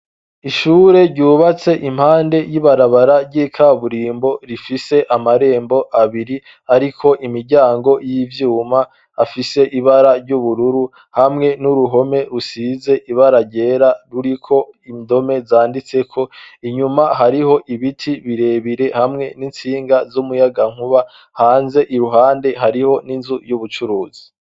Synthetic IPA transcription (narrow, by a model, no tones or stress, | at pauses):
iʃuːɾe̞ɾɟuːβat͡se̞ʔim̥haːnde̞jiβaɾaβaɾaɾɟiːkʰaβuɾiːmbo̞ɾifise̞ʔamaɾe̞ːmbo̞ʔaβiɾi | aɾikʰo̞ʔimiɾɟaːŋɡo̞jivjuːmaː | fise̞ʔiβaɾaɾɟuβuɾuɾu | hamŋe̞nuɾuɦo̞me̞ɾusize̞ʔiβaɾaɟe̞ːɾaɾuɾikʰo̞indo̞me̞zaːndit͡se̞kʰoiɲumaɦaɾiho̞ʔiβitʰiβiɾe̞βiɾe̞hamŋe̞nint͡siːŋɡazumujaɡaŋ̥huβa | haːnze̞ʔiɾuɦaːnde̞ɦaɾiho̞ninzujuβut͡ʃuɾuːzi̥